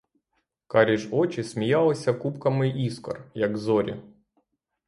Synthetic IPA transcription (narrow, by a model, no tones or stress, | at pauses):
kaɾʲiʒɔt͡ʃɪsmʲijalˠɐsʲɐkupkɐmɪʔiskɔ̰rjɐɡzɔɾʲɪ̰